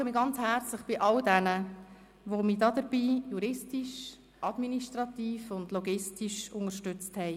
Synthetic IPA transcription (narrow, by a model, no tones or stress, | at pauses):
əmiːɡɑnt͡shɛɾt͡slɪχb̥ɪʔɑldɛnə | ʋomiːdɑːdəɾb̥iːjuɾɪstiʃ | ʔɑdminiʃtɾɑt̪iːfʊndlɔɡɪstiʃʊŋəɾʃtʏt͡sthɛɪ